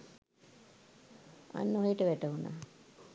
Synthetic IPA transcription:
a̰nːoɦiʈəʋæʈəɦuna̰ː

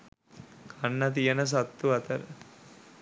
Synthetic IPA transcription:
kʰɐɳːɐt̪̬ijɐnɐs̬ɐt̪ːuɐt̪ɐɾ

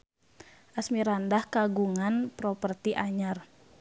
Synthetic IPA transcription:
ʔasmiɾandahkaɡuŋanpɾɔpərt̪iʔaɲar

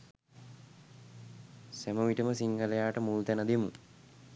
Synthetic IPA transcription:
sæməʋiʈəməsiŋɡəlejaːʈəmult̪ænəd̪emṵ

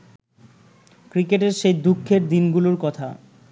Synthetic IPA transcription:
kɾikeʈeɾʃejd̪ukʰːeɾd̪inɡuloɾkɔt̪ʰa̰

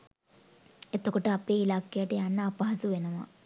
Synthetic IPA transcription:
et̪okɐʈəɐpeːilaːkejɐʈeanːɐːpɐɦɐsuʋenɐʋa̰

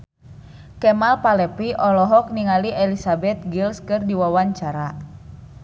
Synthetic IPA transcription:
kɛmalpalɛpiʔɔlɔɦɔk̚niŋaliʔɛlisabɛt̪̚ɡilskɨrdiwawaɲt͡ʃaɾa

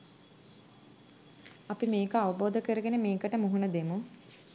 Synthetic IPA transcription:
apimeːkəaʋəboːd̪əkəɾəɡenemeːkəʈəmuɦunəd̪emu

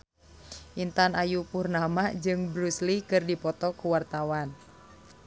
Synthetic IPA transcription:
ʔint̪anajupurnamad͡ʒɨŋbɾuslikɨrdipɔt̪ɔkuwart̪awan

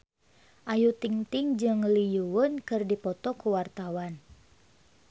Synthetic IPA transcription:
ʔajut̪iŋt̪iŋd͡ʒɨŋlijuwʊnkɨrdipɔt̪ɔkuwart̪awan

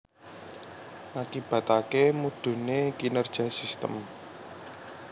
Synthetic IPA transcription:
ʔakib̥ä̤t̪akemud̥ṳnekinərd̥ʒ̥asist̪ə̰m

